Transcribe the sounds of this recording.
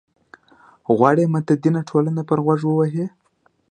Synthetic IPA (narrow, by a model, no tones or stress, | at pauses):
ɣwɑɽemat̪əd̪inaʈʰolanapəɾɣwaʐwəwaɦe